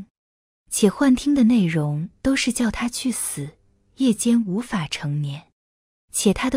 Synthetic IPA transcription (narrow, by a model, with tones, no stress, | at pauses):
t͡ɕʰjɛ˨˩xwa˥˩nt̪ʰi˥ŋd̪ə˨ne˥˩ɪɻʊ˧˥ŋt̪o˥ʊʂɻ̩˥˧t͡ɕjɑ˥˩ʊt̪ʰa˥t͡ɕʰy˥˩sɹ̩˨˩ | jɛ˥˩t͡ɕjɛ˥nu˧˥fa˨˩ʈ͡ʂʰɤ˧˥ŋnjɛ˧˥n | t͡ɕʰjɛ˨˩t̪ʰa˥d̪ə˨